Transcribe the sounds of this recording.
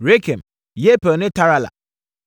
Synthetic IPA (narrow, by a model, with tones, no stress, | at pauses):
ɾe˦kʰe˨m | je˦pe˨nɪ̃˦tʰa˦ɾa˦la̰˨